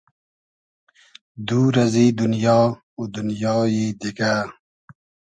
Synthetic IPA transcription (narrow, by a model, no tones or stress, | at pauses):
d̪uːɾɐzid̪unjɑː | ud̪unjɑːjid̪ika